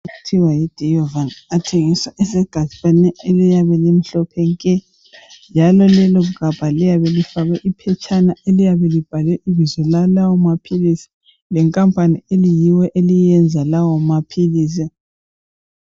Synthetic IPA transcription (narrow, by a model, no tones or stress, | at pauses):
utʰiwajid̥ʱɛjɔvanatʰeŋiswaʔɛsɛɡ̥ʱat͡ʃanɛelijaβɛlem̩ɬɔpʰɛŋkʼɛ | nd͡ʒʱalɔlɛlɔɣukab̥ʱalijaβɛlifaɣɛʔipʰɛt͡ʃʼanaʔelijaβɛlib̥ʱalwɛʔiβizɛlalawɔmapʰilisi̥ | lɛŋkʼampʼanielijiwɛʔelijɛnd͡zʱalawɔmapʰiliːs̬i